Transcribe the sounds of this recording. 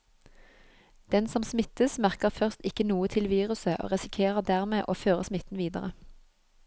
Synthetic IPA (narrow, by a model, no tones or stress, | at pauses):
d̪̥ɛnsɔmsmɪt̪əsmæʁkəʁfœʁst̪ɪkənuːət̪ʰɪlʋiːʁʉsəʔo̰ːʁɛsɪkʰeːʁəʁd̪æʁmeːʔoːføːʁəsmɪt̪n̩ʋiːd̪ə̰ʁə